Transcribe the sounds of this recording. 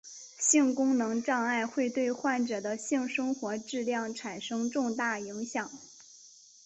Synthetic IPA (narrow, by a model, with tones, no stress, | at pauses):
ɕi˥˩ŋkʊ˥ŋnɤ˧˥ŋʈ͡ʂɑ˥˧ŋa˥˧ɪxwe˥˧ɪt̪we˥˧ɪxwa˥˩nʈ͡ʂɤ˨˩d̪ə˦ɕi˥˩ŋʂɤ˥ŋxwɔ˧˥ʈ͡ʂɻ̩˥˧ljɑ˥˩ŋʈ͡ʂʰa˨˩nʂɤ˥ŋʈ͡ʂʊ˥˧ŋt̪a˥˩i˧˥ŋɕjɑ˨˩˦ŋ